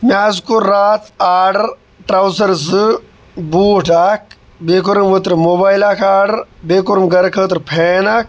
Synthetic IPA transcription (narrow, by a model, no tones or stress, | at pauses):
mjaːzkuɾːaːt̪ʰaːɾɖɐɾ | ʈɾɐwsɐɾzɨ | buːʈak̚ | beːkuɾəmʋət̪ɾmoːbaːjlaːkaːɾɖɐɾbeːkuɾmɡɐɾkʰət̪ɾpʰeːnaːk̚